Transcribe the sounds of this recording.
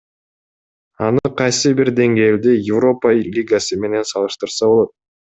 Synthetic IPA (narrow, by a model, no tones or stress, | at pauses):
ɑnɯqʰɑjsɯbiɾd̪e̞ŋɡe̞ːld̪ijɪvro̞palʲiɡasɯme̞ne̞nsɑlˠɯʃt̪ɯɾsɑbo̞lˠo̞t̪̚